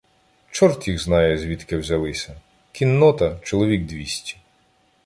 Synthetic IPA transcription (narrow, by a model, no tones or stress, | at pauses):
t͡ʃɔrt̪ʲjiɣznɑjɛzʲʋʲit̪kɪwzʲɐlˠɪsʲɐ | kʲinːɔt̪ɐt͡ʃɔlˠɔʋʲiɡd̪ʋʲisʲtʲi̥